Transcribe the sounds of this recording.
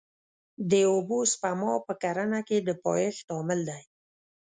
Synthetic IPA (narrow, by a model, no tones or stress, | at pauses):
d̪əobospamɑpəkaɾanaked̪əpɑjəxt̪ɑmɪld̪aj